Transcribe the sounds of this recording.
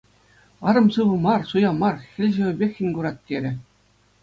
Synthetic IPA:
ɑɾɤ̆msɯʋɤ̆mɑrsujɑmɑrxʲɘ̆lʲʑɘ̆ʋʲɘ̆bʲexʲːɘ̆nʲɡuɾɑt̪̚tʲːeɾʲɘ̆

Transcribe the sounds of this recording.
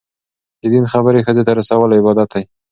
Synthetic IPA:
hɪd̪inxabəɾexəzet̪aɾasawəlɪbɑd̪at̪aj

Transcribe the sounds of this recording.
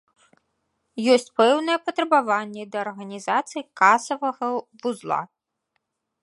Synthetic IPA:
jɔsʲt͡sʲpɛwnɐjɛpɐt̪ɾɐbavanʲːɛd̪ɐːrɣɐnʲizat̪sɨjkasɐvɐɣɐvuzlˠa̰

